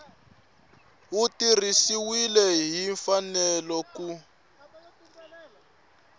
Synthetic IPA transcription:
utirisiwilɛɦiɱfanɛlɔku

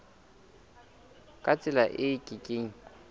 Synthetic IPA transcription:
kʼat͡sʼɪlaʔɪkʼɪkʼeːŋ̩

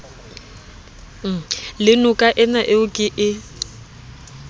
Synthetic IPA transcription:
lɪnʊkʼaʔɪnaʔɪʊkʼɪʔɪ

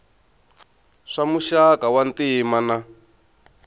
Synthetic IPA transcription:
ʂamuʃakawantimana

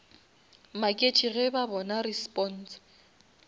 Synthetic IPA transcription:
makʼet͡ʃʰʼiɣɛbabɔnarispʼɔn̩ːs

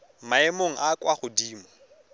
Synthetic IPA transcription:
maɛmoŋ̩ʔakwaχʊdiːmɔ

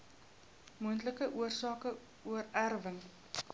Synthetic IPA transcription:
muəntləkəʔuərsɑːkə | uərærvəŋ

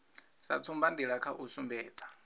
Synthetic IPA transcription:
sa̰t͡sʰumbandiɺakʰaʔusumbɛːt͡sʰḁ

